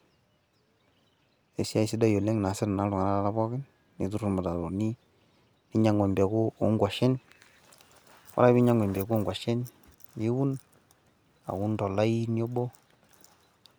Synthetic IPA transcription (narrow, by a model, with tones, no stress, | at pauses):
e˨si˦a˦i˨sɪ˦da˦jo˨le˦ŋ˨na˨sɪ˦ɾna˨˦dʊ˨ŋa˨na˦a˦la˦bɔ˦kɪ˦n | ni˨˦t̬u˦ɾu˨ma˨ta˨ɾo˨ni˦ | ni˦ɲa˨˦ŋwe˨mbe˨kʊ˦o˦ŋɡwa˨ʃɛ˦n | wa̰˨ɾa˦bi˦ɲa˦ŋwe˨mbe˨ku˦ŋɡwa˨ʃe˦n | e˦wu˦n | a̰˨wu˦ntɔ˨la˦i˦njo˦bo˦